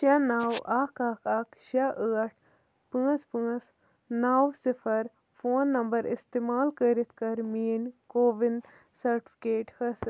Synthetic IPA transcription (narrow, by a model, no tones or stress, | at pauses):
ʃɐnaːwaːkaːkaːkʃɐʔəːɐʈ̚ʰ | pɨ̃ːspɨ̃ːs | naːwsifʰɐɾ | fʰoːnːɐmbɐɾḭst̪eːmaːlkəɾit̪kɐɾmiːnkoːʋin | sɐɾʈi̥fʰi̥keːʈhɐs